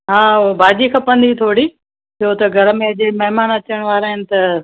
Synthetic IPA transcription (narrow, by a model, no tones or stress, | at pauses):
ɦãːbʱaːd͡ʑikʰɐpə̃nd̪it̪ʰoːɽi | t͡ɕʰoːt̪ɐɡʱɐɾəmẽɐʄemɐɦɪmaːnɐt͡ɕəɽ̃ʋaːɾaːɦɪnɪ̆t̪ɐ